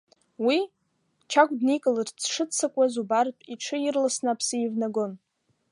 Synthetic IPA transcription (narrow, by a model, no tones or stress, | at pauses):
wi | t͡ʃʰaɡʷdnikʼalɨrt͡sʰʂɨt͡sʰakʷʼazubartʼiʈ͡ʂʰɨjirlasnapʰsɨivnaɡon